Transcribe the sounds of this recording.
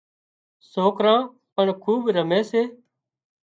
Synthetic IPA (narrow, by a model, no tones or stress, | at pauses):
soːkɾãː | pəɳkʰuːbɾəmẽːseː